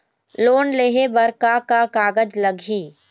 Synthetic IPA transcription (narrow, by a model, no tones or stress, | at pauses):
loːnleːɦebəɾkakakaːɡəd͡ʒləɡʱiː